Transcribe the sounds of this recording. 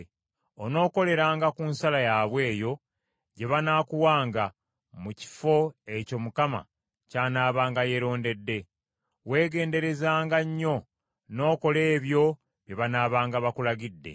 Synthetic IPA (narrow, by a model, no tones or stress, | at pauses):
ono̞ːko̞le̞ɾaːŋɡakunsalajaβwe̞ːjo̞ | ɟe̞βanaːkuwaːŋɡa | muci̥fo̞e̞co̞mukama̰ | caːnaːβaːŋɡaje̞ɾo̞ːnde̞dːe̞ | we̞ːɡe̞ːnde̞ɾe̞zaːŋɡaɲːo̞ | no̞ːko̞le̞ːβjo̞ | βjeβanaːβaːŋɡaβakulaɡidːe̞̰